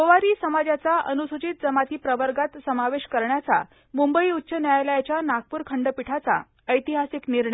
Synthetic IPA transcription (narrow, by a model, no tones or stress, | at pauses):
koʋaɾiːsəmad͡ʑjat͡saʔənusut͡ɕit̪̚d͡zəmat̪iːpɾəʋəɾɡat̪səmaʋeɕkəɾɳjat͡sa̰ | mumbəiut̪ːɕənjajləjat͡ɕjanak̚puːɾkʰəɳɖəpiʈʰat͡sa̰ | əjt̪iɦasikniɾɳəj